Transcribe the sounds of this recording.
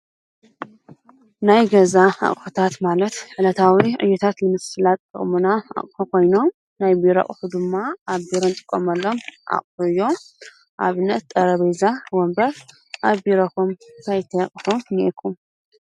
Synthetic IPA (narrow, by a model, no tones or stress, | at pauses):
najɡɐzaa̰ʔʼħut̪ʰat̪malɐt̪ʕɨlɐt̪ʰawiʕɨ̰jːɛt̪ʰat̪lɨmɨsɨlat̪ʼɨχʼmunaa̰χʼħuko̞jno̞m | najbiɾa̰kʼħud̪ɨmːaʔaβbiɾɐnt̪ʼɨ̥kʼːomɐlːo̞mʔa̰χʼfuɨjːo̞ | ʔaβɨnːɐt̪̚t̪ʼɐɾɐβɐjzawɔmbɐɾ | ʔabiɾɐkumt̪ʰajt̪ʰɐχʼħomniɛkʰum